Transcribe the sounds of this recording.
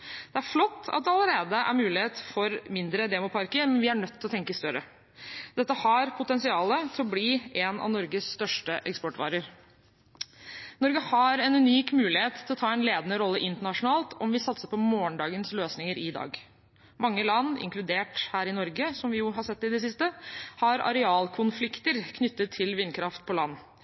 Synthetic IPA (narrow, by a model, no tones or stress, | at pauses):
d̪̥ɛæɾflɔt̪ːɑ̰t̪̚d̪ɛɑləɾeːd̪əʔæ̰ɾmʉːlɪheːt̪fɔɾmɪnd̪ɾəd̪eːmʊpʰɑɾkəɾmɛnʋɪæɳœt̪ʰːɪlɔt̪ʰɛŋkəst̪œɾə | d̪̥ɛt̪ːəhɑɾpʰʊt̪ɛnsɪɑːlət̪ʰɪɔbliːenɑ̰ʋnɔɾɡəsst̪œʂʈəʔɛkspɔʈːʋɑ̰ːɾəɾ | nɔɾɡəhɑɾɛnʉniːkmʉːlɪheːt̪ʰɪlɔt̪ʰɑːɛnleːd̪ənəɾɔlːəʔɪnt̪əɳɑʂʊnɑːlt̪ʰɔmʋɪsɑt̪səpʰɔmoːəɳɖɑːɡənsløːsnɪŋəɾɪd̪ɑ̰ːɡ | mɑŋːəlɑnːɪ̰ŋklʉd̪eːʈhæːɾɪnɔɾɡəsɔmʋɪjʊɦɑsɛt̪ːɪd̪ɛs̬ɪst̪əhɑɾɑ̰ɾɛɑːlkʰʊnflɪkt̪əɾkʰnʏt̪ːət̪ʰːɪlʋɪnːkʰɾɑft̪̚pʰɔlɑnː